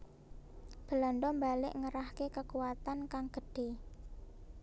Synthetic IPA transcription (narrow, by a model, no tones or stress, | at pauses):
b̥ə̤lanɖ̪ɔmbalɪʔŋəɾahkekəkuwat̪ankaŋɡ̥əɖ̥e̤